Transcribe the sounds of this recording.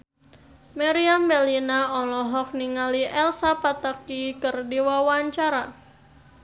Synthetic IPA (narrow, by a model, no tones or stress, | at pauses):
maɾiambɛlinaɔlɔɦɔk̚niŋaliʔɛlsapat̪akikɨrdiwawaɲt͡ʃaɾa